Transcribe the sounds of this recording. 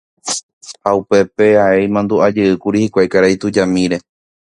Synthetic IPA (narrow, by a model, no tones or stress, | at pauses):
haupe̞pe̞aejmãnd̪uad͡ʒɨɨkuɾihikʷajkaɾajt̪ud͡ʒamĩɾe̞